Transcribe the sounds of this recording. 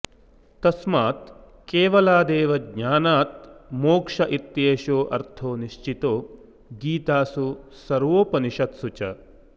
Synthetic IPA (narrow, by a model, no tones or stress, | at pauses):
t̪ɐsmaːt̪ | keːʋɐlaːd̪eːʋɐɡɲaːnaːt̪̚moːkʂɐʔit̪jeːʃoːʔɐ̰ɾt̪ʰoːniʃt͡ʃit̪oː | ɡiːt̪aːsusɐɾʋoːpɐniʃɐt̪sut͡ʃɐ